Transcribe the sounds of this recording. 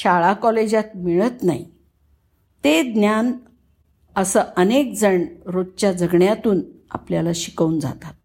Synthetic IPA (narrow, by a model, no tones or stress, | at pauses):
ɕaɭakɔled͡ʑat̪̚miɭət̪na̰i | t̪ed̪njan | əsəʔənek̚d͡zəɳɾod̪̚t͡ɕjad͡zəɡɳjat̪uːna̰pljalaɕi̥kəund͡za̰t̪at̪̚